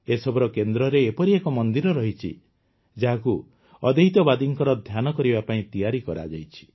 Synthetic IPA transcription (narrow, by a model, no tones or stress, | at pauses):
esɔbɔɾɔkend̪ɾɔɾeːpɔɾiekɔmɔnd̪iɾɔɾɔɦit͡ʃʰḭ | d͡ʒaɦaku | ɔd̪eɦit̪ɔbad̪iŋkɔɾɔd̪ʱjanɔkɔɾibapaĩt̪ijaɾikɔɾa̰d͡ʒa̰jt͡ʃʰi̥